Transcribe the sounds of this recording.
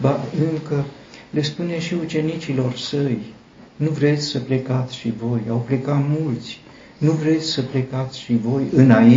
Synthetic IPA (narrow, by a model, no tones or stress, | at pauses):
baɨŋkə | le̞spune̞ʃiut͡ʃe̞nit͡ʃilo̞rsəj | nuvɾe̞t̪sʲsəple̞kat̪sʲʃivo̞jawple̞kat̪mult̪sʲ | nuvɾe̞t̪sʲsəple̞kat̪sʲʃivo̞jɨnai